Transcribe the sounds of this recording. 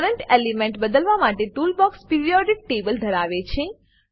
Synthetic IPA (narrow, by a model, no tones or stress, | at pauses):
ɾəɳʈelimẽɳʈbəd̪əlʋamaʈeʈulbɔkspiɾijɔɖik̚ʈebəld̪ʱəɾaʋet͡ʃʰe